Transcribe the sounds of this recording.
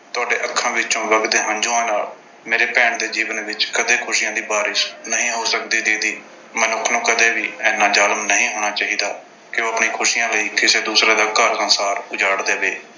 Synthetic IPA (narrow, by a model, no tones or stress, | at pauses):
t̪ʊaːɖeːʔəkʰːãːʋɪt͡ʃõːʋəɡd̪eːɦãːnd͡ʒʊ̃ːãːna̰ːl | meːɾeːpɛːɳd̪eːd͡ʒiːʋənʋɪt͡ʃkəd̪eːkʰʊʃijãːd̪iːbaːɾɪʃnəɦĩːɦoːsək̚d̪iːd̪eːd̪iː | mənʊkʰːnũːkəd̪eːʋiːɛːnaːd͡ʒaːlmnəɦĩːɦoːɽ̃aːt͡ʃaːɦiːd̪aː | kɪoːəpniːkʰʊʃiːjãːləiːkɪseːd̪uːsɾãːd̪aːkəɾsənsaːɾʊd͡ʒaːɽd̪eːʋeː